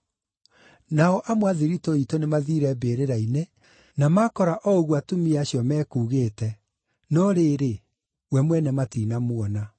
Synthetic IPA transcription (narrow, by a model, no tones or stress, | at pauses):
naɔʔamwaðiɾitoitonemaðiɾɛbeːɾeɾaine | namakɔɾaʔɔoɣwatumiaɕjɔmɛːkuːɣeːtɛ | nɔɾeːɾe | wɛmwɛnɛmatiːnamwɔna